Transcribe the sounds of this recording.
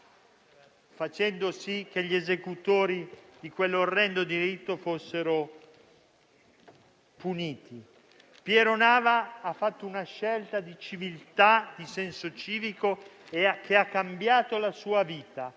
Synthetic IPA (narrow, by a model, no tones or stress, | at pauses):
fat͡ʃɛnd̪osik̟eʎːiezekut̪oːɾid̪ikwelːorːɛnd̪od̪iɾit̪ːofosːeɾo | puniːt̪ʰi | pjɛɾonaːvaafːat̪ːounaʃːɛlt̪ad̪it͡ʃivilt̪ad̪isɛnsot͡ʃiːviko | ekʰeakːambjaːt̪olasuːaviːt̪a